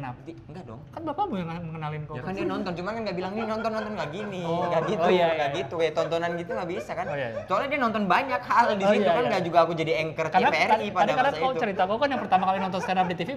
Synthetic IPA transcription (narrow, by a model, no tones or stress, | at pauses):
nap̚diŋɡadɔ̰ŋkanbapabujaŋməŋənalɪnkokandianɔnt̪ɔnt͡ʃumankanɡaʔbilaŋninɔnt̪ɔnːɔnt̪ɔnɡaɡinɪɡaʔɡituaɡaɡit̪ukajat̪ɔnt̪ɔnanɡit̪uŋabisakanjt͡ʃoaladianɔnt̪ɔnbaɲakhaldiit̪ukanɡaʔd͡ʒuɡaːkud͡ʒadiɛŋkərt̪aenapeɛripaadikaɾdasaat͡ʃəɾit̪akukanjaŋpərt̪amakalinɔnt̪ɔnst̪anap̚dit̪ifi